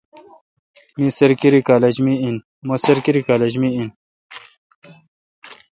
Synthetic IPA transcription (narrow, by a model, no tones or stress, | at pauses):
mĩsɐɾkiɾikaːled͡ʑmiin | mosɐɾkiɾikaːled͡ʑmiin